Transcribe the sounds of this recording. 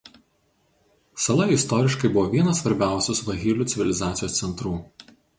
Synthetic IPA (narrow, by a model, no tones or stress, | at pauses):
sɐlˠɐɪst̪ɔːɾʲɪʃkɐɪbʊʋɔʋʲiɛnɐsːʋɐɾʲbʲæˑʊsʲʊsʋɐɣʲiːlʲuːˑt̪sʲɪʋʲɪlʲɪzɑːt̪sʲjoːsʲɛnt̪ɾuː